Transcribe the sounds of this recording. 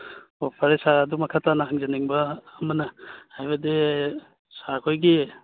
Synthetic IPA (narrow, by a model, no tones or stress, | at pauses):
opʰɐɾesaɐdumɐkʰatanɐɦaŋzɐniŋbɐːmɐnɐhajbɐde | sakʰojɡi